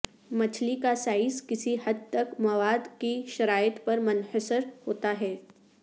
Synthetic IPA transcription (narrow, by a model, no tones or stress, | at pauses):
mɐt͡ʃʰlikasaːɪskɪsihɐd̪̚t̪ɐkmɐʋaːd̪kiʃɐɾaːjət̪pɐɾmɐnhəsəɾhoːt̪aɦɛː